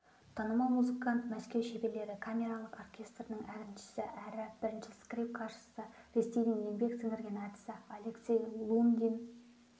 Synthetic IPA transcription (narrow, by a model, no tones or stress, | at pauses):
t̪ʰɑnəmɑmuzɨkant̪mæskʲe̞wʃebe̞le̞ɾɪkʰamʲe̞ɾɑlˠəqorkʲʰe̞st̪rənəɴæɾɪmʃɪ̥sɪʔæɾɪb̥ɪɾɪnʃɪskrʲip̚kʰɑrʃə̥səɾe̞st̪ejd̪ɪŋimbe̞k̚t̪səŋerɡʲenat̪səalʲeksʲejlˠund̪ʲin